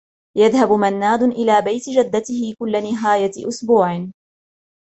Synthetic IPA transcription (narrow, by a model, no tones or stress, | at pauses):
jaðhabʊmanːaːd̪ʊʔɪlaːbajt̪ɪd͡ʒad̪ːat̪ɪhɪkʊlːanɪɦaːjaʔʊsbuːʕɪ